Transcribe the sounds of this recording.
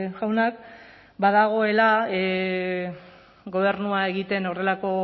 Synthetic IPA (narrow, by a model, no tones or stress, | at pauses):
ʝawnak | baðaɣ̞o̞e̞lae | ɡo̞β̞e̞ɾnuae̞ɣit̪e̞no̞re̞lako̞